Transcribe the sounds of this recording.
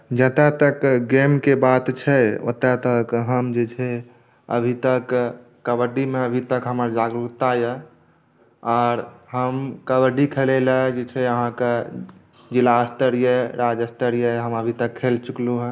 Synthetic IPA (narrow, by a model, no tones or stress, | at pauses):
d͡ʒət̪at̪əkɡemkebat̪t͡ʃʰɛo̰t̪at̪əkɦəmd͡ʒet͡ʃʰɛ | ə̰bʱit̪əkː | əbəɾɖimeəbʱit̪əkɦəməɾd͡ʒaɡɾukt̪ajə | ɔːɾɦəmkəbəɾɖikʰeleləd͡ʒet͡ʃʰɛəɦãke | d͡ʒilaəst̪əɾijəɾad͡ʒəst̪əɾijəɦəməbʱit̪əkʰːelt͡ʃukluɦ